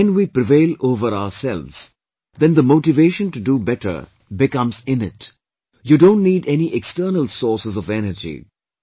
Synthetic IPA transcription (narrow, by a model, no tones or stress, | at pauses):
ɛ̃nwiːpɾɪveɪloːvəɾaʊəsɛlʋz̥ | d̪ɛ̃nd̪əmoʊʈɪveːʃə̃nʈuɖubɛʈə̰ɾ | bɪkʌ̃mzɪ̃nɪt | juɖõːnʈniːɖɛniʔɛksʈəːnəlsɔːɾsəzɔvɛnəɾd͡ʒḭ